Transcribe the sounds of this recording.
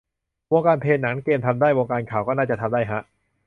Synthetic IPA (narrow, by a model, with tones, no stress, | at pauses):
wo˧ŋkaː˧npʰeː˧nːa˩˦ŋkeː˧mt̪ʰa˧mdaː˥˩jwoː˧ŋkaː˧nkʰaː˨˩wkɔː˥˩naː˥˩t͡ɕa˨˩t̪ʰa˧md̪aː˥˩jɦa˦˥ʔ